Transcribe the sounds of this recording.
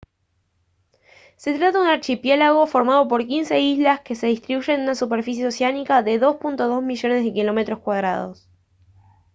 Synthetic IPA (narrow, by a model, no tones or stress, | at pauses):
se̞t̪ɾat̪aðunaɾt͡ʃipjelaɣo̞fo̞ɾmað̞o̞p̬o̞ɾkinseizlaske̞se̞ðist̪ɾiβuʒe̞nunasupeɾfis̬jeoseanikaðe̞ðo̞spunt̪o̞ð̞o̞zmiʒo̞ne̞zðe̞kilo̞me̞t̪ɾo̞hskwað̞ɾa̰ðo̞̰s